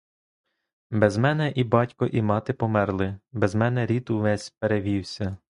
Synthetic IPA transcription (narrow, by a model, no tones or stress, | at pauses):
bɛzmɛnɛʔibɑtʲkɔʔimɑt̪ɪpɔmɛrlˠɪbɛzmɛnɛɾʲit̪ʊʋɛsʲpeɾeʋʲiwsʲɐ